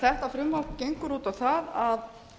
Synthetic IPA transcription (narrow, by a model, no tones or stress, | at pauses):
θɛht̪afɾʏmhawkcejŋkʏɾuːt̪avθaðað